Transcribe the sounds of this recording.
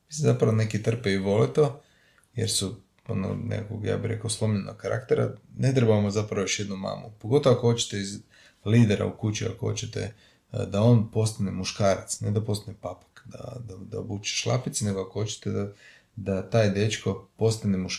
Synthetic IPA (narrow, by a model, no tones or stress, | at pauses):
misimzapɾaʋone̞kit̪r̩peiʋo̞lit̪o̞ | jḛɾsu | o̰no̰nḛkko̰ɡja̰ːbiɾe̞kaoslˠo̞mʎenʔoɡkaɾa̰kt̪eɾa̰ne̞t̪ɾebaamozapɾaʋojoʃjed̪numa̰ːmṵpoɡo̞t̪oʋakoot͡ʃe̥t̪eiz | liːd̪eɾa̰ukut͡ʃia̰koo̞̰t͡ɕet̪ḛ | d̪ao̞npo̞st̪anemuʃkaːɾat̪sned̪apo̞st̪anepapḁkd̪a̰d̪ad̪aobuːt͡ʃe̥ʃlˠa̰pit̪sne̞ɡoakoot͡ʃe̥t̪ed̪a | d̪at̪aːjd̪e̞t͡ʃko̞po̞st̪anemuʃ